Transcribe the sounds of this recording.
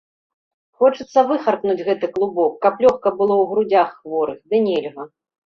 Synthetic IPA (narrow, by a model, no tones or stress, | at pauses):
xɔt͡ʂɨt̪sːɐvɨxɐrknud͡zʲɣɛt̪ɨklˠubɔkːɐplʲɔxkɐbɨlˠɔwɣɾud͡zʲaxːvɔɾɨxd̪ɨnʲɛlʲɣɐ